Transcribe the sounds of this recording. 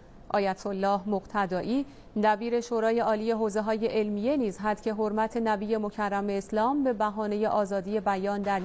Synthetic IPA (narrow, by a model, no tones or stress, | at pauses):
ʔɒ̰ːjæt̪ʰolːɒːhmoɣt̪ʰæd̪ɒːʔiː | d̪æbiːɾe̞ʃoːɾɒːje̞ɒːliːje̞ɦoːze̞ɦɒːje̞ʔelmije̞niːzɦæd̪̥cʰe̞ɦoɾmæt̪ʰe̞næbiːje̞mo̞cʰærːæme̞ːslɒːmbe̞bæɦɒːne̞je̞ʔɒːzɒːd̪ije̞bæjɒːnd̪æɾ